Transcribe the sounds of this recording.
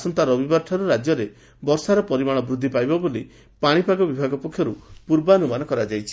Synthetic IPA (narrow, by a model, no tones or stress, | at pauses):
sɔnt̪aɾɔbibaɾʈʰɔɾuɾad͡ʒjɔɾe | bɔɾsaɾɔpɔɾimaɽ̃ɔbɾud̪ʱːipajbɔboli | paɽ̃ipaɡɔbibʱaɡɔpɔkʰːjɔɾupuɾbanumanɔkɔɾad͡ʒajt͡ʃʰi̥